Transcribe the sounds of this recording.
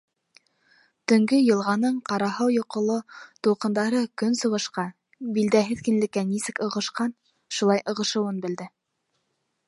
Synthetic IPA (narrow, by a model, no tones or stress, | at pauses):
t̪ɵ̆ŋɡɵjɤ̆lˠʁɑnɤɴqɑɾɑɦɑwjŏqŏlˠot̪uqɤ̆nd̪ɑɾɤkɵnsɤ̆ʁɤ̆ʃqɑ | bild̪æɦɘðkɘ̆nlɘ̆kːænisɘkɤ̆ʁɤ̆ʃqɑn | ʃulˠɑjʔɤ̆ʁɤ̆ʃɤ̆wɤnbɘ̆ld̪ɘ